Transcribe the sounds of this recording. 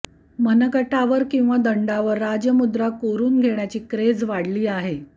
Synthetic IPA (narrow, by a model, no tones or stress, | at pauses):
mənəkəʈaʋəɾkĩw̃ʋad̪əɳɖaʋəɾːad͡ʑjəmud̪ɾakoɾuːnɡʱeɳjat͡ɕiːkɾed͡zʋaɽliːaɦe